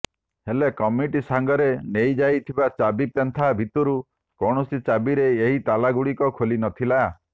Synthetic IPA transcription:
helekɔmiʈisaŋɡɔɾenejd͡ʒajt̪ʰibat͡ʃabipent̪ʰabʱit̪ɔɾu | kɔɽ̃ɔsit͡ʃabiɾeːɦit̪alaɡuɽikɔkʰolinɔt̪ʰila

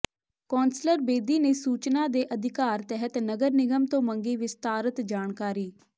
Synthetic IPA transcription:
kɔːnsləɾbeːd̪iːneːsuːt͡ʃnaːd̪eːʔəd̪ʱɪkaːɾt̪ɛɦət̪nəɡəɾnɪɡəmt̪õːməŋɡiːʋɪst̪aːɾət̪d͡ʒaːɳkaːɾiː

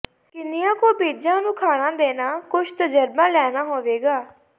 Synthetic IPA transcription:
kɪnɪjãːkoːbeːd͡ʒãːnũːkʰaːnãːd̪eːnaːkʊt͡ʃʰt̪əd͡ʒəɾbãːlɛːnaːɦoːʋeːɡaː

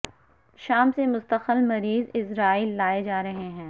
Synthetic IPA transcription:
ʃaːmsemʊst̪əxəlmɐɾiːzɪsɾaːiːlːaːed͡ʒaːɾɐɦeɦɛ̃ː

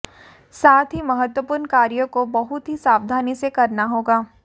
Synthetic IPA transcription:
saːt̪ʰɦimɐɦət̪wəpuːɾnkaːɾjõkobɐɦʊt̪ɦisaːwd̪ʱaːnisekɐɾnaɦoːɡaː

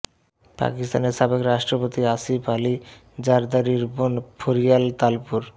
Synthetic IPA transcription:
pa̰kist̪aneɾʃabekɾaʃʈɾopot̪iasipali | d͡ʑaɾd̪aɾiɾbonpʰoɾijalt̪alpuɾ

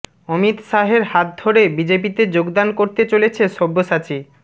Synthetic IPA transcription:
omit̪ʃaɦeɾɦat̪̚d̪ʱoɾebid͡ʑepit̪ed͡ʑoɡd̪ankoɾt̪et͡ɕolet͡ɕʰeʃobːoʃat͡ɕi

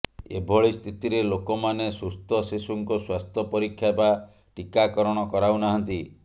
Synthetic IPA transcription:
ḛbʱɔɭist̪ʰit̪iɾelokɔmanesust̪ʰɔsesuŋkɔswast̪ʰɔpɔɾikʰːjaeba | ʈikakɔɾɔɽ̃ɔkɔɾaunaɦɔnt̪i

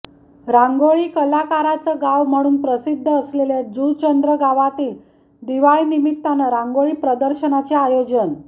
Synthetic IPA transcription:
ɾaŋɡoɭiːkəlakaɾat͡səɡaʋm̤əɽ̃uːnpɾəsid̪ʱːəːsleled͡zut͡ɕənd̪ɾəɡaʋat̪iː | d̪iʋaɭinimit̪ːanəɾãŋɡoɭiːpɾəd̪əɾɕənat͡ɕeajod͡ʑən

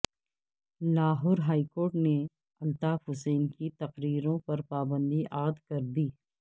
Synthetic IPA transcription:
laːɦʊɾɦaːikoːɾʈne | ɐlt̪aːfɦʊseːnkit̪ɐqɾiːɾõpɐɾpaːbə̃nd̪iʔaːd̪kɐɾd̪iː

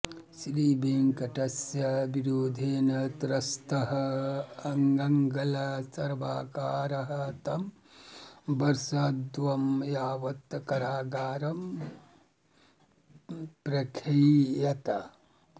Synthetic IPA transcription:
sliːbeːŋkɐʈɐsjɐbiɾoːd̪ʱeːnɐt̪ɾɐst̪ɐɦɐɐŋɡɐŋɡɐlɐsɐɾʋaːkaːɾɐɦɐt̪ɐm | bɐɾsaːd̪ʋɐmjaːʋɐt̪kɐɾaːɡaːɾɐm | pɾɐkʰɾiːjɐt̪ɐ

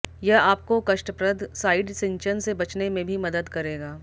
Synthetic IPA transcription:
jɐɦaːp̚kokɐʃʈəpɾəd̪ʱsaːɪɖsɪ̃ɲt͡ʃənsebɐt͡ʃnemẽbʱimɐd̪əd̪kɐɾeːɡaː

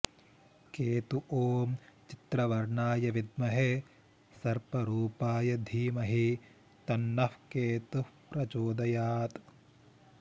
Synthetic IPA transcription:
keːt̪uʔoːmt͡ʃit̪ɾɐʋɐɾɳaːjɐʋid̪̚mɐɦe | sɐɾpɐɾuːpaːjɐd̪ʱiːmɐɦi | t̪ɐnːɐfkeːt̪uhpɾɐt͡ʃoːd̪ɐjaːt̪

